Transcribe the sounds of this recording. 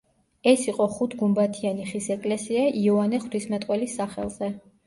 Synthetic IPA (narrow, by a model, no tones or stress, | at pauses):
ɛsiqʼɔχut̪ʰɡumbat̪ʰianiχisɛkʼlɛsiaʔiɔanɛχwt̪ʰismɛt̪ʼqʼwɛlisːaχɛ̰lˠz̥ɛ